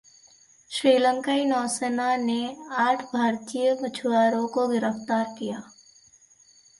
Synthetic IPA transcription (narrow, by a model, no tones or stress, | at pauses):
ʃɾiːlə̃ŋkaːinɔːsənaneaːʈʰbʱaːɾt̪ijəɡət͡ʃʰwaːɾõkoɡɪɾəft̪aːɾkijaː